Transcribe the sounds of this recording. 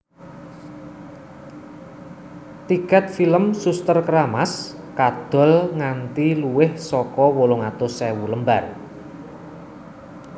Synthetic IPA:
t̪ikɛt̪̚filəmsust̪ərkəɾamas | kad̪̥ɔ̤lŋant̪iluwɪhsɔkɔwoloŋat̪ʊsɛwuləmbar

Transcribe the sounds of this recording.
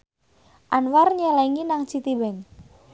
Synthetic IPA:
ʔanwarɲəlɛŋinaŋt͡ʃit̪ibɛŋ

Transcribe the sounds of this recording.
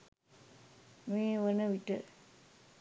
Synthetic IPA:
meːʋənəʋiʈə

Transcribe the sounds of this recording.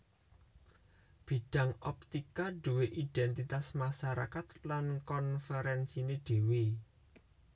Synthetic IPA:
b̥i̤ɖ̥a̤ŋɔp̚t̪ikaɖ̥ṳweʔiɖ̪̥ɛnt̪it̪asmasaɾa̰kat̪lankɔnfɛɾɛnsineɖ̥e̤wi

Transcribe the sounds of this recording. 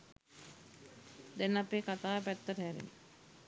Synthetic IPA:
d̪ɛnːapeːkat̪aːpæt̪ːəʈəɦæɾḛn

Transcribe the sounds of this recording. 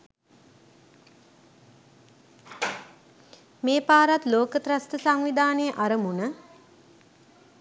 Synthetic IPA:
meːpaːɾat̪loːkət̪ɾast̪əsaŋʋid̪ʱaːnejəʔaɾəmunə

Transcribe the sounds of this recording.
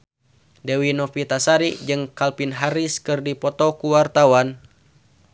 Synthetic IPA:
dewinɔfit̪asaɾid͡ʒɨŋkalpinɦaɾiskɨrdipɔt̪ɔkuwart̪awan

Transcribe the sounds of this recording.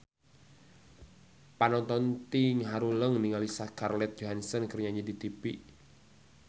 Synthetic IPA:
panɔnt̪ɔnt̪iŋɦaɾuləŋniŋalisakarlɛt̪̚d͡ʒoɦansənkərɲaɲədit̪ipiʔ

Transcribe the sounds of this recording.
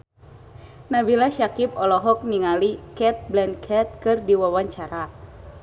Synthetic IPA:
nabilaʃakip̚ɔlɔɦɔk̚niŋalikɛt̪̚blɛnkʰɛt̪̚kɨrdiwawaɲt͡ʃaɾa

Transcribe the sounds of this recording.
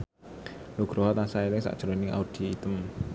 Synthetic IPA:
loɡ̥ɾɔɦɔt̪asaelɪŋsa̰ʔd̥ʒ̥ɾonɪŋa̰ud̥i̤ːt̪əm

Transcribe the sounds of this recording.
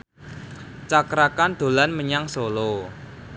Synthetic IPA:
t͡ʃakɾakand̪̥o̤lanməɲaŋsolo

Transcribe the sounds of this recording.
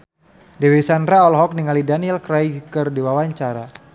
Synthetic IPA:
dɛwisandɾaɔlɦɔk̚niŋalidaniɛlkɾajkərdiwawaɲt͡ʃaɾa

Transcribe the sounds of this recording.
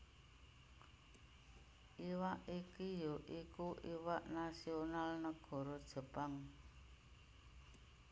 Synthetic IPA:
ʔiwaʔikijoʔikuʔiwaʔnasionalnəɡ̥ɔ̤ɾɔd̥ʒ̥ə̤paŋ

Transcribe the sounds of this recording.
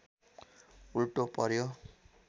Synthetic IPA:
ulʈopʌɾjo

